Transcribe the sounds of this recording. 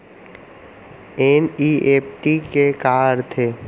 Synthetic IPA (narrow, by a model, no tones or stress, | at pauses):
eːniːeːpʈikekaːɾt̪ʰeː